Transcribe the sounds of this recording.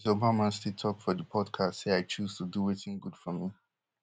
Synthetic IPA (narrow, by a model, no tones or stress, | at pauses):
zobamãnstitʰɔk̚fɔdəpʰɔdkʰastseaɪt͡ʃuz̥tʰuduwetɪ̃ŋɡud̥fɔmi